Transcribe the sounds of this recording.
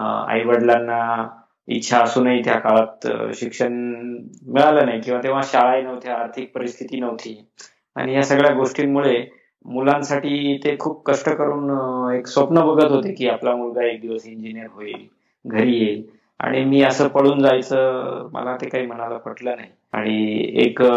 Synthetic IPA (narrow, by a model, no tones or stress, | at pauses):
a̰jʋəɽljanːa | ḭtːɕʰaəsuːnaɦit̪jakalat̪ɕikʂəɳ | miɭalənaɦjkĩw̃ʋat̪ẽʋ̤aɕaɭajnəʋt̪ʰjaaɾt̪ʰik̚pəɾist̪ʰit̪iːnəʋt̪ʰiː | a̰ɽ̃ijasəɡɭjaɡoʂʈiːnmuɭe | mulãnsaʈiːt̪ekʰuːp̚kəʂʈəkəɾuːneksʋəpnəbəɡʱət̪ɦot̪ekiːaplamulɡaek̚d̪iʋəsiɲd͡ʑinijəɾɦoiːl | ɡʱəɾiːjel | a̰ɽ̃imiːəsəːpəɭuːnd͡zajt͡səːmə̰lat̪ekaɦiːm̤əñaləpəʈləːnaɦi | a̰ɽ̃iḛk